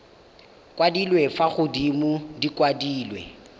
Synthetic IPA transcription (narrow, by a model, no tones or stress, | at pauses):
kʼwadilwefaχʊdimʊdikʼwadiːlwɛ̰